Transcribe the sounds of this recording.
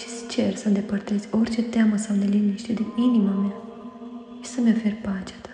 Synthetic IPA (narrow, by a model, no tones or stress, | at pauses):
ʃi̥st͡ʃeɾsənd̪epəɾt̪ez̥ʲoɾʲt͡ʃet̪aməsamd̪eliniʃt̪ed̪eminimama | ʃi̥səmeoferpat͡ʃḁt̪ḁ